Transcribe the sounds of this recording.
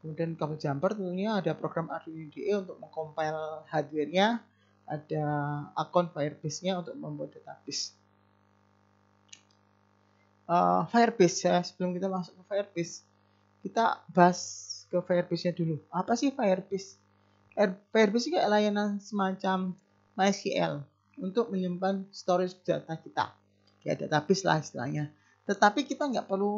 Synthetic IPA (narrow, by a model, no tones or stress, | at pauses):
kəmudiankalad͡ʒampart̪ənt̪uɲaːdapɾoɡ̥ɾama̰rdiudeʔeunt̪ʊk̚məŋkompajlhadirɲa | ʔad̥aakɔnfajərb̥ɪsɲaunt̪ʊk̚məmbad̥at̪ab̥ɪs | ʔəfajərb̥ɪsjasə̥b̥əlʊmkit̪amasʊkəfajərbɪs | kit̪a̰b̥aɦaskəfajərb̥ɪsɲaduluapasɪhfajərbɪs | aərfajərbɪs̬kaʔlajanansəmat͡ʃamː | aɛsiɛ̰l | unt̪ʊk̚məɲəmpanst̪oɾɪsd̥at̪akit̪a̰ | ja̰dat̪ab̥ɪsla̰hist̪ila̰ɲa | t̪ət̪apikit̪aŋɡaʔpərlu